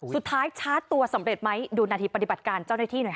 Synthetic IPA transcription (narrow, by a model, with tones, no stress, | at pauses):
su˨˩t̪ʰːaː˦˥jt͡ɕʰaː˦˥t̪ːu˧ɐsa˩˦mɾe˨˩t̪̚ma˦˥jduː˧naː˧t̪ʰiː˧pa˧t̪i˨˩ba˨˩t̪̚kaː˧nt͡ɕa˥˩wnaː˥˩t̪ʰiː˥˩nu˩˦˩